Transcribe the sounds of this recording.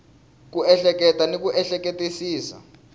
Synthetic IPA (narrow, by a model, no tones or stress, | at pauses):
k̬uɛɬɛk̬ʼɛtʼanik̬ʼuʔɛɬɛk̬etʼisiːsa̰